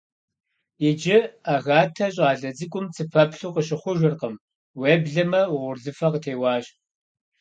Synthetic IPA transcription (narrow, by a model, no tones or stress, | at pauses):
jɪd͡ʒɪaɣaːtʰɐɕʼaːɮɐd͡zɨkʷʼʊmt͡sʰɨpʰɐpɬuːqəɕɪχʷʊʒʷɪrqəm | weːbɮɐmɐwʁʷʊrɮɨfɐqətʰeːwɑːɕʼ